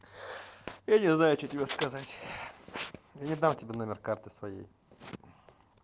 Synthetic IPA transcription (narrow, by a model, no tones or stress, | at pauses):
janʲɪznajʊt͡ɕotʲɪbʲeskɐzatʲ | janʲɪd̪amtʲɪbʲenomʲɪrkart̪ɨsvɐjḛj